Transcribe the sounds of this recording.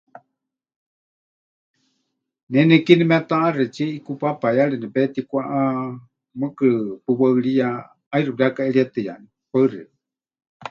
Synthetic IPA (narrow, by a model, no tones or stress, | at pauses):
nɛnɛkinimɛt̪aʔarɛt͡ʃɛʔikupapajaɺɛnɛpɛt̪ikʷaʔa | mɨkɨɾɨpɨwaɨɺija | ajruɾiakaɛɺiat̪ɨja̰ni | paɨrɛ̰